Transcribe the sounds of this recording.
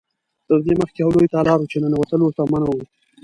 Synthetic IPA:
t̪əɾd̪eməxkehawlojt̪ɑlɑɾut͡ʃenənwat̪əlwəɾt̪amanawi

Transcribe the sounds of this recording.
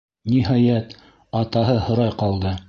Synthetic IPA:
niɦɑjæt̪ | ɑt̪ɑɦɤhŏɾɑjqɑlˠd̪ɤ

